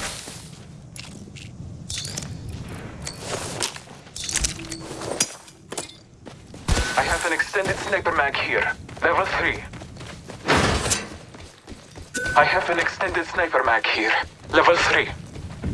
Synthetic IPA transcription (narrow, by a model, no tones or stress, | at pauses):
aɪəvə̃nɛkstɛ̃ndɪd̥snaɪpəɹmaɡhiːɹlɛvəlˠθɹiː | aɪhəvə̃nɛkstɛ̃ndɪd̥snaɪpəɹmaɡ̥hiːɹlɛvəlˠθɹiː